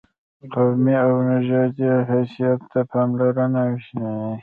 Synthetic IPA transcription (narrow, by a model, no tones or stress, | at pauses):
qawmiawnaʒɑd̪iɦasijat̪ːapʰɑːmlaɾanawiʃnai